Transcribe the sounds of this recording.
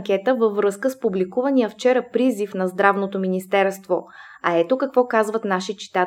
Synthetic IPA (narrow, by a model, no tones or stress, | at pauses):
kʲɛt̪əvəvɾɤskəspublikuvəniəft͡ʃɛɾəpɾizifnɐzd̪ɾavnot̪ominist̪ɛɾst̪vo | ɐɛt̪okɐkvɔkazvət̪naʃit͡ʃi̥t̪a